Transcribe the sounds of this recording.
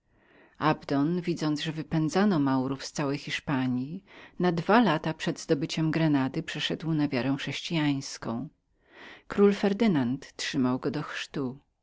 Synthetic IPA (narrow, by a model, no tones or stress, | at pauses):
abd̪ɔnvʲid̪zɔnd̪ʐɛvɘpɛnd̪zanɔmawɾufst̪sawɛjxʲiʂpaɲjinad̪valat̪apʂɛd̪zd̪ɔbɘt͡ɕɛmɡɾɛnad̪ɘpʂɛʂɛd̪wnavʲjaɾɛ̃xʂɛɕt͡ɕijaj̃skɔ̃w̃ | kɾulfɛɾd̪ɘnant̪ːʂɘmawɡɔd̪ɔxʂt̪u